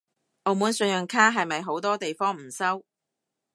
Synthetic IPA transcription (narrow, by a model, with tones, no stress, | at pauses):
ʔo˨˧wmuː˨˥nsɵ˧njœ˨ŋkʰaː˥ɦɐ˨jmɐ˨jɦo˨˥wt̪ɔː˥t̪e˨jfɔː˥ŋm̩˨˩sɐ˥w